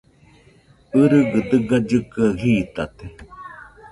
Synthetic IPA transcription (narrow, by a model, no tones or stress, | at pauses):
ɯɾɯɡɨd̪ɨɡad͡ʒɨkɨahiːt̪at̪e